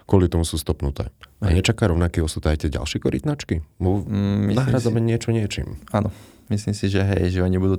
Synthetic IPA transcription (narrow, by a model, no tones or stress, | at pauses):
kʊɔlit̪ɔmusuːst̪ɔpnut̪ɛ̰ːaɲɛt͡ʃakaːɾɔʊnakiːɔsut̪ajt̪ɛɟa̰lʃɪɛkɔɾḭt̪nat͡ʃkimuinaɦɾaːd͡zamɛɲɪɛt͡ʃɔɲɪɛt͡ʃḭːmaːnɔ | misliːmsiʒɛɦɛjʒɛɔɲibud̪uː